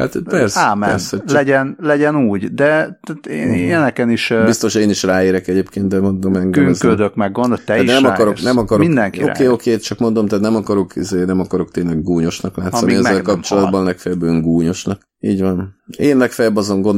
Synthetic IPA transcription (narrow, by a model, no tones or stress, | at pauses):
ha̰t̪pɛrsaːmɛɛrsɛlɛɟɛnlɛɟɛnuːɟd̪ɛt̪at̪eːneɛnɛkɛniʃbist̪o̞ʃeːniʃraːeːɾɛkɛɟeːpkeːnt̪d̪ɛmo̞nd̪o̞mɛɡɡyŋzød̪økmɛɡɡond̪ot̪ɛinɛmɒkɒɾoknɛmɒkɒɾoind̪ɛŋkio̰keːokeːt̪t͡ʃɒkmo̞nd̪omt̪aːt̪nɛmɒkɒɾo̞kʰizeːnɛmɒkɒɾo̞kt̪eːnlɛɡːuːɲo̞ʃnɒklaːt̪sɒnmiɛzːɛlkɒpt͡ʃo̞lɒd̪̚bɒnlɛkfɛjɛbøŋɡuːɲo̞ʃnɒk | iːɟvɒneːnːɛkfɛjbɒzo̞ŋɡon